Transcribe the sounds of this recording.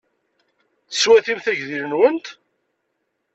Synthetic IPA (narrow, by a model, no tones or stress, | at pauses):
θəswæθimθæʝðiɾənwənt̪